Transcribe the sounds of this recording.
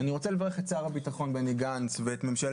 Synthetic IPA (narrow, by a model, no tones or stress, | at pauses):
aniʁot͡selevaʁeχet̪t͡saːʁabitaχo̞nbeneɡanst͡sveet̪me̞mʃal